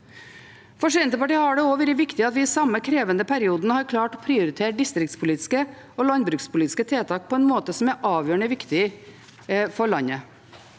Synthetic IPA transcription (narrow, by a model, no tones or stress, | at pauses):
fɔʂɪɛnt̪əpɑʈiːəhɑɖɛoːʋɛɾɪʋɪkt̪ɪɑt̪ʋɪɪːsɑməkʰɾeːʋənəpʰæɾɪuːd̪nəhɑɾkʰlɑːʈɔpʰɾɪʊɾɪt̪ʰeːɾɖɪst̪ɾɪk̚t̪spʰʊliːt̪ɪ̥skəoːlɑnbɾʉːkspʊliːt̪ɪ̥skət̪ʰeːt̪ʰɑːk̚pʰɔɛnmoːt̪əsɔmæɾʔɑːʋjøːɳəʋɪkt̪ɪ | fɔɭɑnə